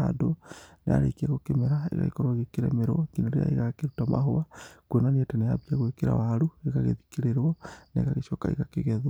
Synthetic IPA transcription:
adonea̰ɾekieɣokemeɾaḛɣa̰ɣekoɾwaɣekeɾɛ̰meɾɔkinoɾeja̰iɣakeɾutama̰ɦowakwenanietenejaβiaɣwekeɾa̰waɾueɣaɣeðikiɾeɾwɔneeɣaɣeʃokaḭɣakeɣɛð

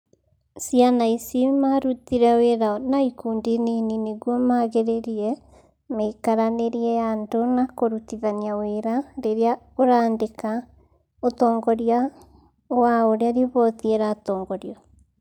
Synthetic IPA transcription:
sianaisimaɾutiɾɛweɾaɔnaikuːndininineɣwɔmaɣeɾeɾiɛ | mekaɾaneɾiɛandonakoɾutiðaniaweɾaɾeɾea | oɾaːndeka | otɔːŋɡɔɾia | waoɾeaɾioβɔðieɾatɔːŋɡɔɾiɔ

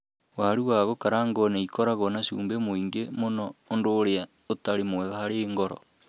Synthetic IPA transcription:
waaɾuɣaɣokaɾaːŋɡɔneikɔɾaɣɔnaʃṵːmbemoiŋɡemonɔondoːɾea | otaɾemwɛɣahaɾeːŋɡɔɾɔ̰

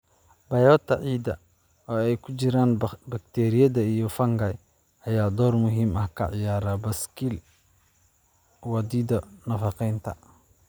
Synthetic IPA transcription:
bɐjɔːt̪ʰɐʕiːd̪ɐ | ɔːɛjkʰʊt͡ʃɪɾaːnbɐk̚t̪ʰɛːɾɪjɐðɐijɔfɐŋɡɐj | ʔɐjaːd̪ɔːrmʊɦiːmɐhkʰɐ̰ʕɪjaːɾaːbɐskil | wɐd̪iːd̪ɐnɐfɐqɛjnt̪ʰɐ̰

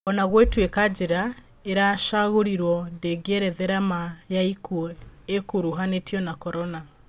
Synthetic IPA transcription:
ɔnaɣwetwekad͡ʒeɾa | eɾaʃaɣoɾiɾwɔndeɡeɾɛðɛɾamajaikuekuɾuɦanetjɔnakɔɾɔna

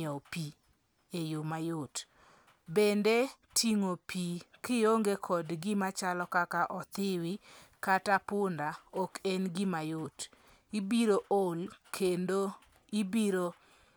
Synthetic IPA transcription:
ɔpi | ejomajot | bende | tʰiŋopikɪjoŋɡekʰɔdɡɪmat͡ʃalɔkakaʔɔt̪ɪwɪkatapʊndaɔkenɡɪmajʊt | ibiɾoʔolkendo | ibiɾo

